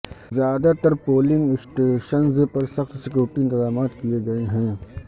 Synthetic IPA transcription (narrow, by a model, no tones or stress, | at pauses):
zjaːd̪at̪ɐɾpoːlɪ̃ŋɡɪsʈeʃənzpɐɾsɐxt̪sɪkjoːɾʈiɪnt̪ɪzaːmaːt̪kieɡɐeɦɛ̃ː